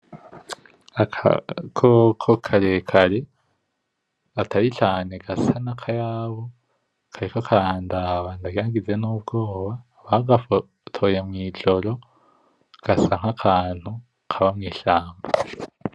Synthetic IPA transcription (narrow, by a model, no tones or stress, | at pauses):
kʰokʰokʰaɾekʰaɾe̞ | atʰaɾit͡ʃaːne̞ɡasanakʰajaːβo | kʰaɾekokʰaɾaːndaβandaɡaɡizenuːb̚ɡo̞ːβa | βaɡaf | tʰo̞je̞mwiːd͡ʒo̞ɾo̞ | ɡ̥asaŋ̥hakʰaːn̥hu | kʰaβamŋiːʃaːmba